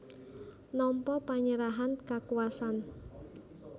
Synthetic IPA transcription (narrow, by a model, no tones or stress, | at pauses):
nɔmpɔpaɲəɾaɦankakuasan